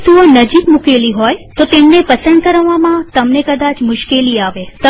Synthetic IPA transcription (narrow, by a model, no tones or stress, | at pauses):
suənəd͡ʒikmukeliɦɔjt̪ot̪emnepəsə̃nd̪̚kəɾəʋːamãt̪əmnekəd̪at͡ʃmʊʃkeliaʋet̪ə